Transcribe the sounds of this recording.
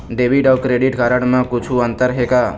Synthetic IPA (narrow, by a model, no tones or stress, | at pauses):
ɖebʱiɖɔwkɾeɖiʈɡaɾəɽ̃mãkut͡ʃʰuə̃nt̪əɾɦeka